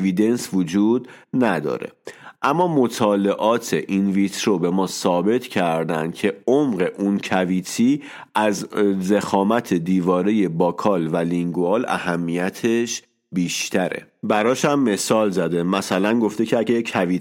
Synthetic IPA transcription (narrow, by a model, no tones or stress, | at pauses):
vid̪e̞nsvod͡ʒuːd̪næd̪ɒ̰ːɾe̞̰ʔæmːɒːmo̞t̪ʰɒːle̞ʔɒːt̪ʰe̞̰ʔinvit̪ʰɾo̞be̞mɒːsɒːbe̞t̪ʰcʰæɾd̪ænd̪̥cʰe̞omɢe̞ʔuncʰæviːt̪ʰiː | ʔæzze̞xɒːmæt̪ʰe̞d̪iːvɒːɾe̞je̞bɒːkʰɒːlvæliŋɡuɒːlæ̰hæmːijæt̪ʰe̞ʃ | biːʃt̪ʰæɾe̞̰ | bæɾɒːʃæmːe̞sɒːlzæd̪e̞mæsælænɡo̞ft̪e̞cʰeæɟekʰævit̪